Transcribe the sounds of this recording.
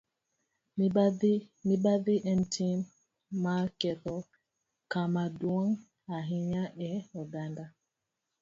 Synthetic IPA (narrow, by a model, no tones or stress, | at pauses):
mibaðiʔɛntʰin | makɛθɔ | kamaduɔŋ | aɦiɲaʔɛɔdanda